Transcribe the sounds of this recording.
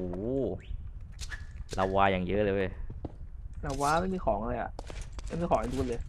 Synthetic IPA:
uː˨˩˦ | la˧wːaː˧jaː˨˩ŋjɤ˦˥ʔlɤː˧˥˩j | ɾaː˨˧˩waː˧ma˥˩jmiː˧xʰɔː˩˦ŋʔa˧ɤː˧jʔa̰˨˩ma˥˩jmiː˧kʰɔː˩˦˥t̪ʰuː˥˩˨lɤː˧j

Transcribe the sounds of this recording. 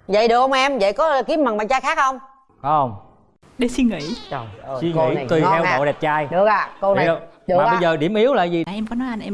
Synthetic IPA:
zə̰˧˨jɗɨ˨˩ək̚hə˧wʔɛ˧mvə̰˧˨jkɔ˨˦ki˨˦əm̚a˨˩ŋɓa̰ː˧˨nt͡ɕaː˧jxaː˦˥k̚hə˧wŋ͡m | kɔ˨˦hə˧wŋ͡m | ɗe˨˦si˧ŋḭ˧˥˨si˧ḭ˧˩˨t̪i˨˩t̪ʰɛ˧wə̰˨˧˨ɗɛ˨˩p̚t͡ɕaː˧jɗɨ˨˧˩ək̚aː˧˨ko˧˨ə˧ɗːɓə˧˨jzəː˨˩ɗi˧˩əmʔi˨˦əwla̰ː˧˨jzi˨˩ʔɛ˧mkɔ˨˦nɔ˨˦jʔa˧nʔɛ˧

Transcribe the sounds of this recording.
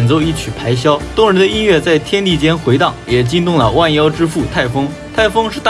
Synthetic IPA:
nt͡so˥˧ʊi˥˩t͡ɕʰy˨˩pʰa˧˥ɪɕjɑ˥ʊt̪ɔ˥ŋɻə˧˥nd̪ə˧i˥nɥɛ˥˧t͡sa˥˩ɪt̪ʰjɛ˥nt̪i˥˩t͡ɕjɛ˥nxwe˧˥ɪt̪ɑ˥˩ŋjɛ˨˩t͡ɕi˥nt̪ʊ˥˩ŋlə˩wa˥˧njɑ˥ʊʈ͡ʂɻ̩˥fu˥˩t̪ʰa˥˩ɪfɤ˥ŋ | t̪ʰa˥˩ɪfɤ˥ŋʂɻ̩˥˧t̪

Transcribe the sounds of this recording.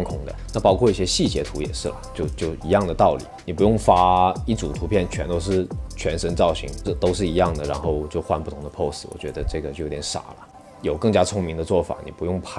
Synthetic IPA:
ŋkʰʊ˧˥ŋd̪ə̰˨na˥˩pɑ˥ʊkʰwɔ˥˧i˥˩ɕjɛ˥ɕi˥˩t͡ɕjɛ˧˥t̪ʰu˧˥jɛ̰˨˩ʂɻ̩˥˩lə̰˩t͡ɕjo˥˧ʊt͡ɕjo˥˩ʊi˧˥jɑ˥˩ŋd̪ə˩t̪ɑ˥˩ʊlḭ˨˩˦ni˨˩pu˧˥jʊ˥˩ŋfa˥i˥˩t͡sṵ˨˩t̪ʰu˧˥pʰjɛ˥˩nt͡ɕʰɥɛ˧˥nt̪o˧˥ʊʂ̬ɻ̩˥˩t͡ɕʰɥɛ˧˥nʂə˥nt͡sɑ˥˩ʊɕḭ˧˥ŋɤ˥˧t̪o˥ʊʂɻ̩˥˩i˧˥jɑ˥˩ŋd̪ə˩ɻa˧˥nxo˥˧ʊt͡ɕjo˥˧ʊxwa˥˧npu˥˩t̪ʰʊ˧˥ŋd̪ə˧pʰo˥˧ʊsɹ̩˥˩wɔ̰˨˩t͡ɕɥɛ˧˥d̪ə˧ʈ͡ʂɤ˥˩ɡə˩t͡ɕjo˥˧˩jo˧˥t̪ʲɛ˧˥nʂa̰˨˩lə̰˦ | jo˨˩ʊkɤ˥˩ŋt͡ɕja˥t͡sʰʊ˥ŋmi˧˥ŋd̪ə˧t͡swɔ˥˩fa̰˨˩ni˨˩pu˧˥jʊ˥˩ŋpʰa˥

